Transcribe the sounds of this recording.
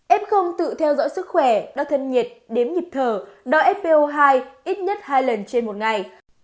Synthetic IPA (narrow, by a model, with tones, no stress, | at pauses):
ʔɛ˦˥p̚xə˧wŋ͡mt̪ɨ̰˧˨t̪ʰɛ˧wzɔ̰ː˧˥jsɨ˦˥k̚xwɛ˧˩ɗɔ̰˧˥t̪ʰə˧nɲi˨˩ət̚ɗe˨˦mɲi˨˩p̚t̪ʰəː˨˩ɗɔ˧˦ʔɛ˦˥t̚pe˧ʔo˧ɦaː˧jʔi˦˥t̚ɲə˦˥t̚haː˧jlə˨˩nt͡ɕe˧nmo˨˩t̚ŋa˨˩j